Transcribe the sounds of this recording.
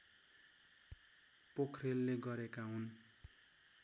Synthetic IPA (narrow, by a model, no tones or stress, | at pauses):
pokʰrelːeɡʌɾekaɦun